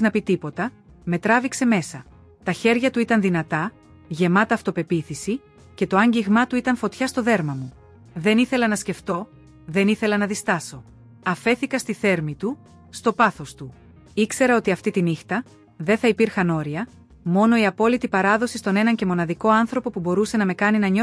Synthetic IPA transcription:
znɐpit̪ipo̞t̪ɐ | me̞t̪ɾɐvikse̞me̞sɐ | t̪ɐçe̞ɾʝɐt̪uit̪ɐnðinɐt̪ɐ | ʝe̞mɐt̪ɐːft̪o̞pe̞piθisi | ce̞t̪o̞ɐɲɟiɣmɐt̪uit̪ɐɱfo̞t̪çɐst̪o̞ðe̞ɾmɐmu | ðe̞niθe̞lɐnɐsce̞ft̪o̞ | ðe̞niθe̞lɐnɐðist̪ɐso̞ | ɐfe̞θikɐst̪iθe̞ɾmit̪u | st̪o̞pɐθo̞st̪u | ikse̞ɾɐo̞t̪iɐft̪it̪inixt̪ɐ | ðe̞θɐipiɾxɐno̞ɾiɐ | mo̞no̞iɐpo̞lit̪ipɐɾɐðo̞sist̪o̞ne̞nɐɲce̞mo̞nɐðiko̞ɐnθɾo̞po̞pubo̞ɾuse̞nɐme̞kɐninɐɲo

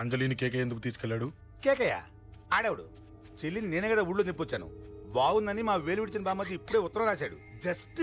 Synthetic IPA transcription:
ɐɲd͡ʒɐliːnikɛːk̬ɐjend̪uk̬ut̪iːsu̥kɛlːaːɽu | keːkɐja̰ː | aːɽɐwɐɽṵ | t͡ʃelːinneːnɐɡɐd̪auɽlunipːot͡ʃːaːnṵbaːwund̪ɐnimaːʋeːlʋiʈit͡ʃɐnbaːmːɐd̪iipːuɽeːʊt̪ːɐɾɐɾaːsaːɽṵd͡ʒɐsʈ

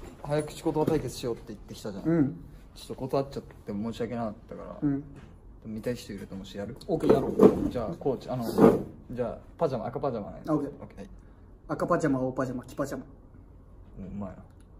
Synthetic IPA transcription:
hajakɯ̟̥ɕi̥ko̞t̪o̞at̪aike̞t͡sɨ̥ɕijo̞ːt̪ːeit̪ːe̞kʲi̥t̪aʑã̰nɯ̃ | t͡ɕo̥t̪ːoko̞t̪oat͡ɕat̪t̪ːemo̞ːɕiake̞nakat̪ːaka̰ɾa̰ɯ̃ | t̪amʲit̪aiçi̥t̪oiɾet̪omoɕijaɾɯ̟okʲenaɾod͡ʑaːko̞ːt͡ɕianod͡ʑaːpad͡ʑama̰ːkapad͡ʑama̰na̰aokeokei | akapad͡ʑamaoːpad͡ʑamakʲi̥pad͡ʑama | oːɯmaena

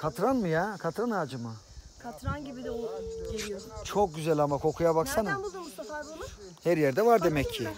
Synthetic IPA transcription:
kʰat̪ɾanmɯjakʰat̪ɾanaːd͡ʒɯma | kʰat̪ɾanɟibid̪ɛo | t͡ʃʰok̚ɟyzɛlʲamakʰo̞kʰujaβaksanɯm | hæɾjɛɾd̪ɛvaɾd̪e̞mɛcʰːɪ

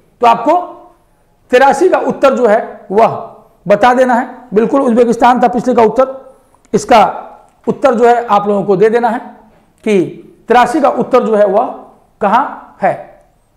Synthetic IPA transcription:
t̪oaːp̚ko | t̪ɪɾaːsikaʔʊt̪ːəɾd͡ʒoːɦɛʋɐɦ | bɐt̪ad̪eːnaɦɛbɪlkʊlʊsbeːk̬ɪst̪aːnt̪apɪt͡ʃʰlekaʊt̪ːəɾ | ɪska | ʊt̪ːəɾd͡ʒoːɦɛʔaːploːɡõkod̪eːd̪eːnaɦɛː | ki | t̪ɪɾaːsikaʔʊt̪ːəɾd͡ʒoːɦɛʋɐɦ | kɐɦãhɛː

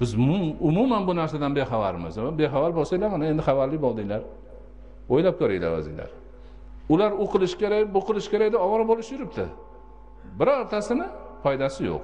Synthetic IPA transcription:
b̥ɪzmʊʊmumanbʊnaɾsad̪anbeχavaɾɪmɪ̰zbe̞χavaɾbolˠsajlaɾmanae̞nd̪ɪχɑvaɾlɪbɒlˠd̪ɪŋlaɾ | ojlap̚kʰoɾɪjla̰va̰zɪ̰ŋla̰ɾ | ʊlaɾoqʰɨlˠɪʃkʲeɾabʊqʰɨlɪʃkʲe̞ɾaɡʲd̪aɒvɒɾbɒlˠɪʃjʊɾɪp̚t̪ʰɪ̰ | bɪɾɒɾt̪ʰasɪnɪ | pʰɒjd̪asɪjo̰q̚

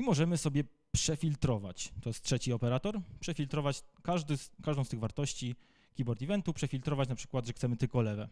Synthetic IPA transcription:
imɔʐɛmɘsɔbʲjɛ | pʂɛfʲilt̪ɾɔva̰t͡ɕt̪ɔjɛst̪tʂɛt͡ɕiɔpɛɾat̪ɔɾpʂɛfʲilt̪ɾɔvat͡ɕkaʐd̪ɘkaʐd̪ɔ̃w̃st̪ɘɣvaɾt̪ɔɕt͡ɕi | kʲibɔɾt̪ivɛnt̪upʂɛfʲilt̪ɾɔvat͡ɕnapʂɘ̥kwad̪ʐɛxt̪sɛmɘt̪ɘlkɔlɛvɛ

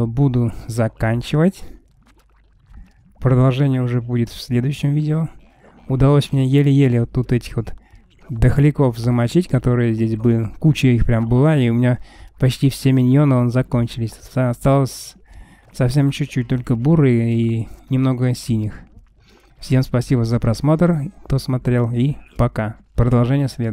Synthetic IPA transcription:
bud̪ʊzɐkanʲt͡ɕɪvətʲ | pɾəd̪ɐlˠʐɛnʲɪjəʊʐɛbudʲɪt̪fsʲlʲed̪ʊjʉɕːɪmvʲidʲɪo | ʊd̪ɐlˠosʲmʲnʲejelʲɪjelʲɪot̪ːut̪ɛtʲɪ̥xvo̞t̪ | d̪əxlʲɪko̞fzəmɐt͡ɕitʲkɐt̪o̞ɾɨjəzʲdʲesʲbɨkut͡ɕɪixpɾʲambɨlˠaiʊmʲɪnʲapɐt͡ɕtʲifsʲemʲɪnʲonəonzɐko̞nʲt͡ɕɪlʲɪsʲɐst̪alˠəsʲ | sɐfsʲe̞mt͡ɕʉːut̚ʲt̪o̞lʲkəbuɾɨinʲɪmno̞ɡəsʲilʲnʲɪx | fsʲe̞mspɐsʲibəzəpɾɐsmo̞t̪rkt̪o̞smɐt̪ɾʲe̞lˠipɐkapɾəd̪ɐlˠʐɛnʲɪjəsʲlʲed̪

